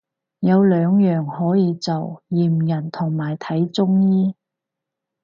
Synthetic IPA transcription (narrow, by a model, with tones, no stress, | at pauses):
jɐ˨˧wlœː˨˧ŋjœː˨˩ŋhɔː˨˥jiː˨˧t͡sɐ˨wjiː˨˩m˨jɐ˨˩nt̪ʰʊ˨˩ŋmaː˨˩jt̪ʰɐ˨˥jt͡sʊ˥ŋjiː˥